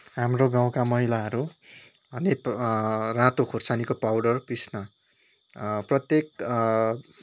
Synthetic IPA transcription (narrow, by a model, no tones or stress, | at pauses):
ɦamroɡãw̃kamʌɦilaɦʌɾu | bʱʌne | rãt̪okʰort͡sanikopawɖʌrpisnʌ | prʌt̪jek̚